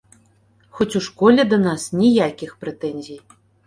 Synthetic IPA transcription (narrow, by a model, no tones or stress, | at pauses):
xɔt͡sʲuʂkɔlʲɛd̪ɐnasnʲijakʲixpɾɛt̪ɛnʲzʲij